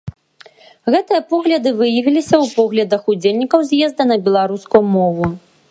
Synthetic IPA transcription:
ɣɛt̪ɨjɐpɔɣlʲɐd̪ɨvɨjɐvʲilʲisʲɐwpɔɣlʲɐd̪ɐxud͡zʲelʲnʲikɐwzʲjɛzd̪ɐnɐbʲɛlˠaɾuskujumɔvu

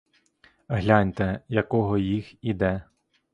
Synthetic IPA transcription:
ɦlʲanʲt̪ɛjɐkɔɦɔjixid̪ɛ

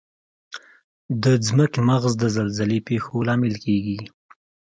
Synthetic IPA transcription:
d̪əd͡zməkmaɣzd̪əzalzalepexolɑmɪlkeɡi

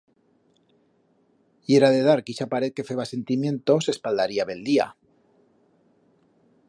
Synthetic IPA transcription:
je̞ɾaðe̞ðaɾkiʃapaɾe̞ð̚ke̞fe̞βase̞nt̪imjẽ̞nt̪o̞se̞spald̪aɾiaβe̞ld̪ia̰

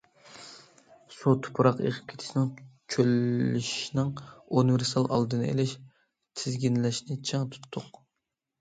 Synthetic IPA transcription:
sut̪ʰʊ̥pʰuɾɑqḛʁʰɪ̥p̚kʰʲe̥t̪ʰɪʃinɪŋt͡ʃʰølːɪʃnɪŋunɨveɾst̪ɑlˠʔɑ̰lˠd̪ɨnɨḛlɪʃ | t̪ʰɪzɡʲinlɛʃnɪt͡ʃʰeŋt̪ʰu̥t̪ʰːʊq

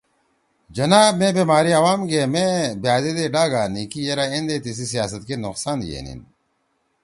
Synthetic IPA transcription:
d͡ʒɐnaːbmẽːbeːmaːɾiɐwaːmɡeːmẽːbijaːd̪ed̪eɖaːɡaːniːkijeɾaːẽnd̪eːt̪is̬is̬ijaːs̬ɐt̪kenʊqsaːnjḛːnḭn

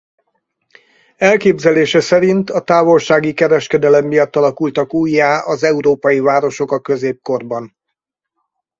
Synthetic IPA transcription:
ɛlkeːbzɛleːʃɛsɛɾint̪ɒt̪aːvo̞lʃaːɡikɛɾɛʃkɛd̪ɛlɛmːijɒt̪ːɒlɒkult̪ɒkuːjːaːʔɒzɛuɾoːpɒjivaːɾo̞ʃo̞kɒkø̞zeːp̚ko̞rbɒn

